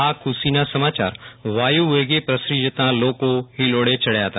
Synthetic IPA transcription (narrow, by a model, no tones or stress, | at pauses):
aːkʰʊsinasəmaːt͡ʃa̰ːɾʋaːjuʋeːɡepɾəsɾid͡ʒət̪ãloːkõɦiloːɽet͡ʃɐɽjat̪ʰa